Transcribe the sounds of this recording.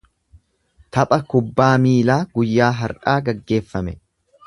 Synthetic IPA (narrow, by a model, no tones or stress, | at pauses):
t̪ɐpʼɐkʊbːaːmiːlaːɡʊjːaːɦɐɾʔaːɡɐɡːe̞ːfːɐmɛ